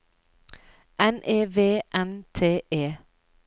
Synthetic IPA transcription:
ʔɛnʔeːʋeːʔɛnt̪ʰeːʔeː

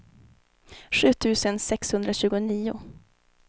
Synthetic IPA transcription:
ɧʉ̟ːt̪ʰʉ̟ːsənsɛkshɵnd̪ɾaɕʉ̟ːɡʊniːʊ̰

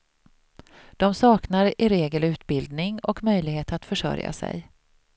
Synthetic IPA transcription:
d̪̥ɔmsɑːknaɾɪɾeːɡəlʉ̟ːt̪bɪld̪nɪŋɔkmœjlɪɡheːt̪at̪fœʂœ̰ɾja̰sɛ̰j

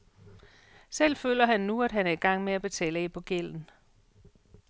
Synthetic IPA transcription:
sel̰fø̰ːlɐɦænːuæd̥ɦænæɐiɡ̥ɑ̈ŋ̰meæb̥e̝t͡sʰɛ̰ːləepʰɒ̽ɡ̥el̰n̩

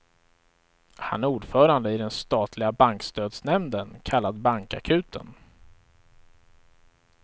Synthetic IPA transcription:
ha̰næɾuːɖfœːɾand̪əɪd̪ɛnst̪ɑːt̪ʰlɪɡabaŋkst̪øːd̪snɛmnd̪ənkʰalːad̪baŋka̰kʰʉ̟ːt̪ʰə̰n

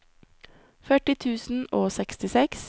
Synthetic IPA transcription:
fœʈɪt̪ʰʉːsn̩oːsɛkst̪ɪsɛks

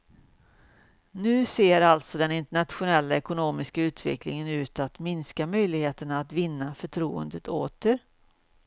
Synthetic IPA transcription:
nʉ̟ːseːɾalt̪sɔd̪ɛnɪnt̪əɳat̪ɧʊnɛlːaɛkʊnoːmɪskaʉ̟ːt̪ʰvɛ̰klɪŋənʉ̟ːt̪at̪mɪnskamœjlɪɡheːt̪əɳaːt̪vɪnːafœʈʰɾuːə̰nd̪ət̪ʰo̰ːt̪əɾ

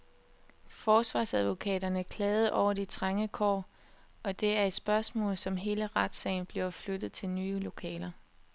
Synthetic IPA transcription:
fɒːsʋɑ̈ːsæðˠʋo̝kʰɛ̰ːdɐnəkʰlɛːð̩ˠʔɒʊ̰ɐd̥it͡sʰʁaŋəkʰɒ̰ː | ɒ̽d̥e̝æɐed̥sb̥ɶɐsmɔ̰̽ːl̩ˠsɒ̽mɦe̝ːləʁad̥sɛ̰ɪnb̥liɐflød̥ð̞̩ˠt͡sʰe̝lnyːlo̝kʰɛ̰ːlɐ

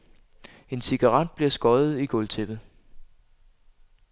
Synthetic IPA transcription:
e̝nsiɡ̥ɑ̈ʁɑd̥̚b̥liɐsɡ̥ɒ̽ð̩ˠiɡ̥ɔ̽lt͡sʰeb̥ð̩ˠ

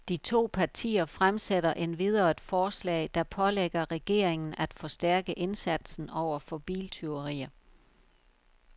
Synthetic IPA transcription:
d̥it͡sʰo̝̰ːpʰɑ̈t͡sʰḭːɐfʁamseɾɐʔe̝nʋið̞ˠɐd̥fɒːslɛ̰ɪd̥ɑ̈pʰɒ̽leɡ̥ɐʁɛɡ̥e̝̰ːɐ̰e̝ŋn̩æd̥fɒ̽sd̥æɐɡ̥əʔe̝nsæd̥sn̩ɒʊ̰ɐfɒ̽b̥ḭːlt͡sʰe̝oʁḭːɐ

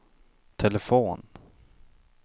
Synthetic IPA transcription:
t̪ʰɛləfoːn

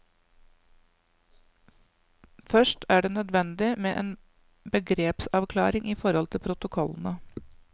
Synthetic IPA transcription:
fœʂʈʰæːɖeːnœd̪ʋɛnd̪ɪmeːʔeːn | bəɡɾeːpsɑʋkʰlɑ̰ːɾɪŋʔiːfɔɾhɔlt̪ʰɪlpʰɾʊt̪ʊkʰɔln̩ə

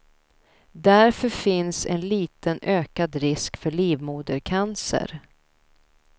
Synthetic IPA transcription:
d̪æɾfœɾfɪnsɛ̰nliːt̪ənʔøːkad̪ɾɪskfœɭiːvmuːd̪əɾkʰansə̰ɾ

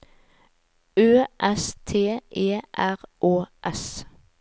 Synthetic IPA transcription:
øːʔɛst̪ʰeːeːʔæʁʔoːʔɛs

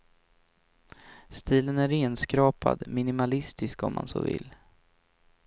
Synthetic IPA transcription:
st̪iːlənæɾeːnskɾɑːpa̰d̪mɪnɪmalɪst̪ɪskɔmːa̰nsoːvɪ̰lː

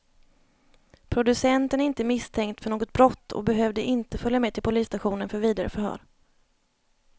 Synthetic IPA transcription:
pʰɾʊd̪ɵsɛnt̪ənæɾɪnt̪əmɪst̪ʰɛŋkt̪fœɳoːɡɔt̪̚bɾɔt̪ːɔ̰bɛɦøːvd̪əʔɪnt̪əfœljamɛd̚t̪ɪlpʰʊliːst̪aɧuːnənfœɾviːd̪aɾə̰fœɾhœ̰ːɾ

